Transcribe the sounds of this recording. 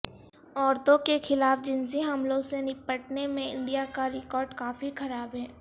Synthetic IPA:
ɔːɾt̪õkexɪlaːfd͡ʒɪ̃nsiɦɐmlõsenɪpəʈ̚nemẽɪ̰̃ɳɖijakaɾɪkɔːɾɖkaːfixɐɾaːbɦɛː

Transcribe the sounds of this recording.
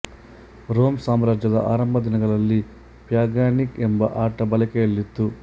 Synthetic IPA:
ɾoːmsaːmɾaːd͡ʒjɐd̪ɐ̰ʔaːɾɐmbʱɐd̪inɐɡɐɭɐlːi | pjaːɡjaːnikembɐʔaːʈɐbɐlɐkeːlːit̪ːu

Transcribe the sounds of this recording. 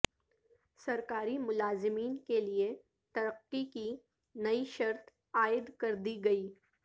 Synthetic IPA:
sɐɾkaːɾimʊlaːzɪmiːnkelie | t̪ɐɾəqːiki | nɐiʃɐɾt̪ | aːɪd̪kɐɾd̪iɡɐiː

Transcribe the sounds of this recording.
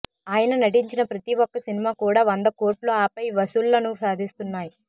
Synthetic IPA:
aːjɐnɐnɐʈ̬iɲt͡ʃinɐpɾɐt̪iʋɔkːɐsinimaːkuːɽaːʋɐnd̪ɐko̞ːɾʈluaːpɐjʋɐsullɐnusaːd̪ʱist̪unːaːji

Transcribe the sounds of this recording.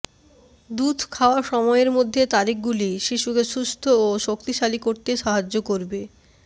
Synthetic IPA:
d̪ud̪ʱkʰaoaʃɔmɔeeɾmod̪ʱːet̪aɾik̚ɡuliʃiʃukeʃust̪ʰooʃokt̪iʃalikoɾt̪eʃaɦad͡ʑːokoɾbe

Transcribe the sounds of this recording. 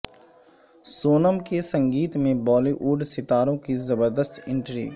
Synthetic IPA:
soːnəmkesɐ̃ŋɡiːt̪mẽbɔːliʔuːɖsɪt̪aːɾõkizɐbəɾd̪əst̪ɪ̃ɳʈɾḭː

